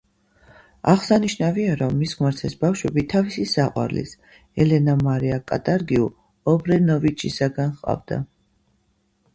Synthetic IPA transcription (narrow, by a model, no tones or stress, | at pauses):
aʁsaniʃnaviaɾɔmːisχmaɾt̪sʰɛsbafʃwɛbit̪ʰavisisaqʼwa̰ɾlḭs | ɛlɛnamaɾiakʼa̰t̪ʼaɾɡiu | ɔbɾɛnɔvit͡ʃʰisaɡanχqʼa̰vd̪̥a̰